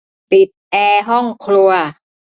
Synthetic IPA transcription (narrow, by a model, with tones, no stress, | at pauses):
pi˨˩t̪̚ʔɛː˧ɦɔ˥˩ŋkʰlu˧ɐ